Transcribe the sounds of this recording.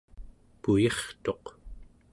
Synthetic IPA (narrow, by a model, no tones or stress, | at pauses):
pujeχt̪o̞q